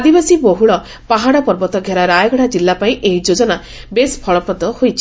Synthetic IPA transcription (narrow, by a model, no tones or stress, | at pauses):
ad̪ibasiboɦuɭɔ | paɦaɽɔpɔɾbɔt̪ɔɡʱjaɾaɾajɔɡɔɽad͡ʒilːapaĩʔeɦid͡ʒod͡ʒɔna | bespʰɔɭɔpɾɔd̪ɔhojt͡ʃʰi̥